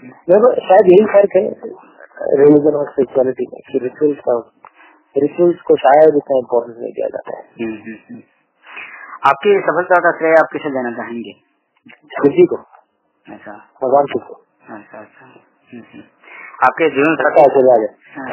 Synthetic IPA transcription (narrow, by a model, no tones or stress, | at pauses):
meːebɐʃaːjəd̪jɐɦifɐɾkɦɛ | ɾelɪd͡ʒənɔspeːt͡ʃuaːlɪʈimḛ̃kiɾɪt͡ʃuəlska | ɾɪt͡ʃuwəlskoʃaːjəd̪ɪt̪naɪ̃mpɔːɾʈə̃ɳsmḛ̃k̪ḭja̰d͡ʒa̰ːt̪a̰ɦɛ̰ɦɦɦ | aːp̚kesɐbʰəlt̪ɔk̪asɾeːjaːp̚kɪsed͡ʒaːnat͡ʃaːɦẽːŋɡeː | sɪd͡ʒiko | ɐtːʃʰa | mɐzaːnt̪iko | ɐtːʃʰatːʃʰa | ɦɦ | aːp̚ked͡ʒiənspt̪at͡ʃɐlaːd͡ʒa